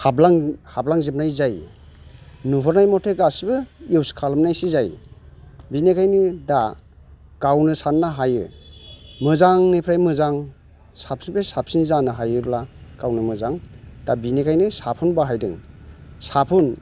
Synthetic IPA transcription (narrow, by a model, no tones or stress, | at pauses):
hablaŋhablaŋzep̚najzaj | nuɦɔɾnajmɔtʰeɡasibɯjewskʰalmnajsizaj | binekʰajnida | ɡ̥awnɯsanːaɦajɯ̰ | mɯzaŋnipʰɾajmɯzaŋ | sapsibesap̚sinzanɯɦajɯblaɡ̥awnɯmɯzaŋd̥abinekʰajnɯsapʰunbaɦajdɯŋsapʰun